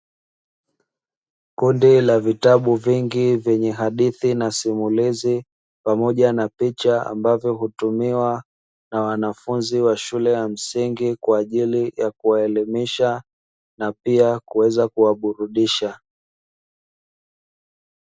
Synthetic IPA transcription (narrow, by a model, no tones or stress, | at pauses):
kundilavitaɓuviŋɡivjɛɲɛɦaɗiθinasimulizi | pamɔʄanapit͡ʃaa̰mbavjɔɦutumiwa | nawanafunziwaʃulɛjam̩siŋɡikwaːʄilijakuwaɛlimiʃa | napiakuwɛzakuwaɓuɾuɗiʃa